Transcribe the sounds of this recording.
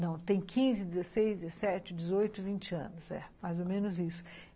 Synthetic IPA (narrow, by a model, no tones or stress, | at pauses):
nɐ̃w̃t̪ẽj̃kʰĩzɪd̪ɪzesejzd͡ʒɪzesɛt͡ʃɪd͡ʒɪzojt̪ʊivĩnt͡ʃɪɐ̰̃nʊsɛ̰majzomẽnʊzisʊ̥